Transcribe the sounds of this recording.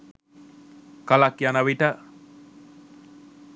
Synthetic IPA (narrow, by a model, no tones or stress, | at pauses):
kalakjanəʋiʈə